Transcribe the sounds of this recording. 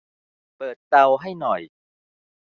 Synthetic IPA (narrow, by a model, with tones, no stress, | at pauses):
pɤː˨˩t̪̚ːa˧wɦa˥˩jnɔ˨˩j